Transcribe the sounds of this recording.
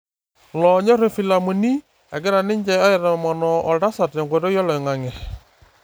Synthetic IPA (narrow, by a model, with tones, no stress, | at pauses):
lɔ˨ɲɔ˦ɾe˨fi˨la˨mo˨ni˦ | ɛ˨ɡɪ˦ɾa˨nɪ˦ɲd͡ʒɛ˨ɔ˦jɛ˨ɾa˨mɔ˨nɔ˨ʔɔ˨lda˦sa˨tɔ˨ŋɡɔ˨ɾɔ˦jɔ˦lɔ˨i˨ŋa˨ŋɛ˨